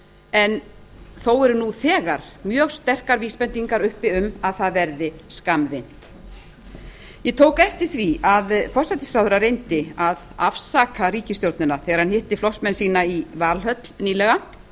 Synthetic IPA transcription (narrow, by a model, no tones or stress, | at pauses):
ɛnθowɛɾʏnuθɛːɣaɾ̥mjœːɣst̪ɛr̥kaɾviːspɛnt̪iŋkaɾʏhpɪʏmaðθaðvɛɾðɪskamvɪn̥t̪ | jɛt̪ʰoːwkɛft̪ɪɾ̥θviaðfɔ̥sajt̪isɾawðʏɾaɾejnt̪ɪaða̰fsaːkʰariːcɪst̪jowɾt̪nʏnaθɛːɣaɾ̥hanhɪht̪ɪflɔsmɛnsiːnaivaːlɦœt̪l̥niːlɛɣa